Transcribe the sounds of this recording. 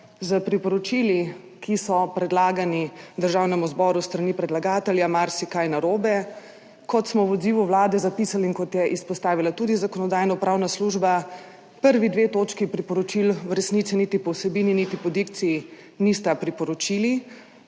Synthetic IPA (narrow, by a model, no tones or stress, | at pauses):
zəpɾipɔɾɔt͡ʃili | kʰisɔpɾɛd̪laːɡanid̪əɾʒawnɛmuzbɔɾust̪ɾanipɾɛd̪laɡaːt̪ɛljamaɾsikajnaɾoːbɛ | kɔt̪smɔwɔd̪ziːʋuʋlaːd̪ɛzapisaliŋkɔt̪jɛʔispɔst̪aːʋilat̪ud̪izakɔnɔd̪aːjnɔpɾawnasluʒba | pəɾʋid̪ʋet̪oːt͡ʃkipɾipɔɾɔt͡ʃilwɾɛsnit̪sinit̪ipɔwsɛbiːninit̪ipɔd̪ikt̪siː | nist̪apɾipɔɾɔt͡ʃili